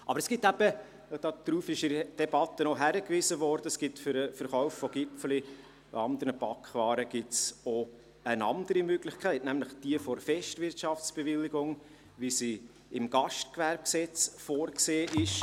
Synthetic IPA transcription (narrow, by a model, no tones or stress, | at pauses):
ʔɑb̥əɾəsɡ̥ɪtːæb̥ə | d̥ɑːd̥̪ɾuːfɪʃɪd̥ɛbɑt̪ːənoɦæɾəkvɪzəvɔɾd̥əsɡ̥ɪtfʏɾəfəɾχɔʊffɔɡ̥ɪpfəlḭ | ɑnd̪əɾnəpɑkχʋɑːɾəɡ̥ɪtso | ənɑ̰nd̪əɾimøɡlɪçkʰæɪtnæmlɪχd̥iəfɔɾfɛʃtvɪɾtʃɑft͡sb̥evɪlːɪɡʊŋ | ʋisi | ɪmɡ̥ɑʃtkʋæɾb̚ksɛt͡sfoːɾkseːʔɪʃ